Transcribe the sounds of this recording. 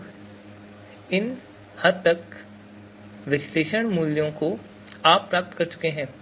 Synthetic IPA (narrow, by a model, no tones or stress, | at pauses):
ɪn | hɐɾt̪ɐk | ʋɪʃleːʃəɽ̃muːljõko | aːpːɾaːp̚t̪kɐɾt͡ʃʊ̥keɦɛ̃ː